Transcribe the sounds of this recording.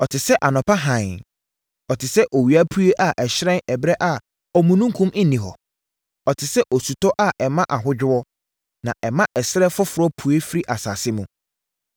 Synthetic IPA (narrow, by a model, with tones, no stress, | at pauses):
ɔ˨tʰɪ˨sɛ˦ʔa˨nʊ̃˨pa˦ɦã˨ | ɔ˨tʰɪ˨sɛ˦ʔɔ˨wi˨a˦pʰu˦e˦ʔa˨ʔɛ˨ɕɾɛ̃˦nɛ˨bɾɛ˦ʔa˦ | ɔ˨mũ˨nũ˦ŋ˦kʰũ˦m̩˦nĩ˨ɦɔ̰˨ | ɔ˨tʰɪ˨sɛ˦ʔɔ˨su˨tɔ˦ʔa˦˨ʔɛ˨mã˦ʔa˨ɦʊ˦d͡ʑᶣɪ˦wɔ˦ | nã˨ʔɛ˨mã˦ʔɛ˨sɪ˦ɾɛ˦fʊ˦fʊ˨ɾɔ˦pʰu˨e˦fi˦ɾi˦ʔa˨sa̰ː˨sɪ˦mũ˨